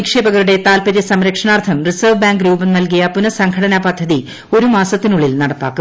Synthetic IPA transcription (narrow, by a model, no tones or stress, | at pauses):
kʂe̞ːbɐɣɐɾuɽe̞t̪aːlpɐɾjɐsɐmɾɐkʂɐɳaːrt̪ʰɐmrisɐːʋbaːŋɡɾuːbɐmnɐlkijɐpunɐsɐŋkʰɐɽɐnɐpɐd̪ʱːɐði | o̞ɾumaːsɐt̪ːinuɭilnɐɽɐpːa̰ːkːu